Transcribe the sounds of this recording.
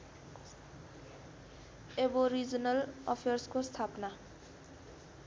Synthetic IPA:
eboɾid͡zʌnʌlʌpʰerskost̪ʰapna

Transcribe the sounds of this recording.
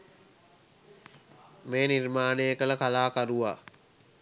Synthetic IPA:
meːnirmaːnejəkələkalaːkaɾuʋaː

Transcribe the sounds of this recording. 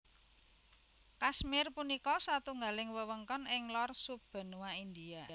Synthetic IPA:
kasmɪrpunikɔsat̪uŋɡalɪŋwəwəŋkɔnɪŋlɔrsub̥ə̤nuwaind̪ia

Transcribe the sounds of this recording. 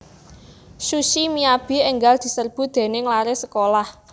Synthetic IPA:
ʃuʃimiab̥i̤eŋɡald̪̥i̤sərb̥ṳd̪̥e̤nɪŋlaɾesəkolah

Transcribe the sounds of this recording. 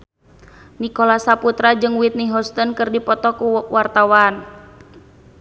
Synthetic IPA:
nikɔlasaput̪ɾad͡ʒɨŋwit̪̚niɦɔst̪ɔnkɨrdipɔt̪ɔkuwart̪awan

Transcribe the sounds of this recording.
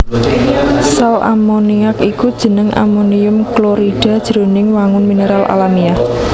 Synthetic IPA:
salʔa̰moniakikud̥ʒ̥ə̤nəŋʔa̰moniʊmkloɾiɖ̥a̤d̥ʒ̥əɾo̤nɪŋwaŋʊnmineɾalʔa̰lamia

